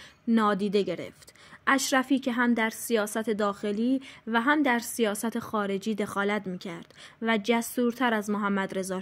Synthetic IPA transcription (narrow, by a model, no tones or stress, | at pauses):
nɒːd̪iːd̪e̞ɟe̞ɾḛft̪ʔæʃɾæfiːcʰe̞ɦæmd̪æɾsijɒːsæt̪ʰe̞d̪ɒːxe̞liːvæɦæmd̪æɾsijɒːsæt̪ʰe̞xɒːɾe̞d͡ʒiːd̪e̞xɒːlæt̪miːcʰæɾd̪̥ | væd͡ʒæst̪uːɾt̪ʰæɾæzmoɦæmːæd̪ɾe̞zɒː